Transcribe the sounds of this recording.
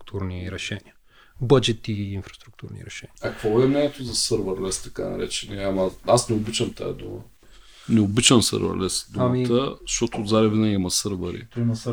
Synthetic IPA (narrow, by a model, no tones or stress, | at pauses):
k̚t̪ʰuɾniɾɛʃɛniɐ | bəd͡ʒɛt̪iːnfɾɐst̪ɾuk̚t̪uɾnḭɾɛʃɛniɐkkvobɛmnɛnʲɛt̪ʊzɐsəɾvəɾlɛst̪ɐkanɐ̰ɾɛt͡ʃɛnɛamɐasnɛʊbit͡ʃɐmt̪a̰ɐ̰d̪ṵmə̰ | nɛʊbit͡ʃɐmsə̰ɾvə̰ɾlɛsd̪uamit̪əzʃt̪ɔt̪oːd̪zaɾɐvinaɛmɐsəɾvəɾḭt̪im